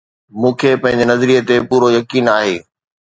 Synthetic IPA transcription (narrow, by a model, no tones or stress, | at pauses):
mũːkʰepɐ̃ɦɪ̃ɲ̆d͡ʑenɐzɾiət̪epuːɾojɐkiːnaːɦeː